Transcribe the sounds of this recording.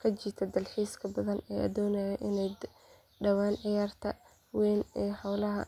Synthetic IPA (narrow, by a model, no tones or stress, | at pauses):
kʰɐt͡ʃiːt̪ʰɐd̪ɐlħiːskʰɐbɐðɐnɛːʔɐ̰d̪ɔːnɛjɐʔɪnɛj | ɖɐwaːnʕɪjaːrt̪ʰɐ | wɛːnɛːħɑwlɐɦɐ̰